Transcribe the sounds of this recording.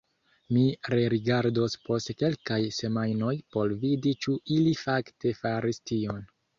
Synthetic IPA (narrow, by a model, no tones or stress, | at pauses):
miɾeɾiɡaɾdo̞spo̞stke̞lkajse̞majno̞jpo̞ɾvidit͡ʃuilifakte̞faɾistio̞n